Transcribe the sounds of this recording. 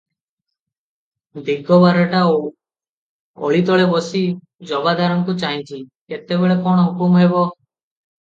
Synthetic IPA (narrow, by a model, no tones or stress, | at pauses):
d̪iɡɔbaɾeʈao | ɔ̰ɭit̪ɔɭebɔsi | d͡ʒɔbad̪aɾɔŋkut͡ʃaɦĩt͡ʃʰiket̪ebeɭekɔɽ̃ɔɦukumɦebɔ